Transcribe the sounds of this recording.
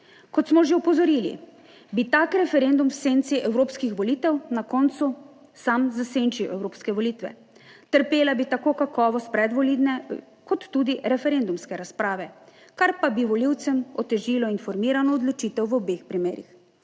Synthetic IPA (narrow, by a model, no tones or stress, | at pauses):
kɔt̪smɔʒeɔpɔzɔɾiːlḭ | bit̪akɾɛfɛɾeːnd̪umwsent̪siʔɛwɾoːpskixʋɔliːt̪ɛwnakɔnt̪su | samzaseːnt͡ʃiwɛwɾoːpskɛʋɔliːt̪ʋɛ̰ | t̪əɾpeːlabit̪akoːkakɔːʋɔst̪pɾɛd̪ʋɔlid̪nɛ | kɔt̪ːuːd̪iɾɛfɛɾend̪umskɛɾaspɾaːʋɛ | kaɾpabiʋɔliwt̪sɛmɔt̪ɛʒiːlɔinfɔɾmiːɾanɔːd̪lɔt͡ʃiːt̪ɛwʋɔbeːxpɾimeːɾḭx